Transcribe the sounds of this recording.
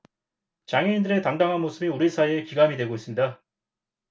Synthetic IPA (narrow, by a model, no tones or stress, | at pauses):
t͡ɕaŋɦeindɯɾe̞taŋdaŋɦanmosʰɯbiuɾisʰaiekiɡamidwe̞ɡois͈ɯmɲida